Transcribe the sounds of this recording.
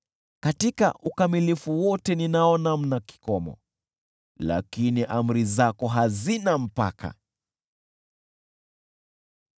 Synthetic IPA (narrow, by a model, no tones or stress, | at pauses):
katika̰ʔukamilifuwɔtɛninaɔnam̩naki̥kɔmɔ̰ | la̰kiniʔam̩ɾizakɔɦazinam̩pa̰kʰa̰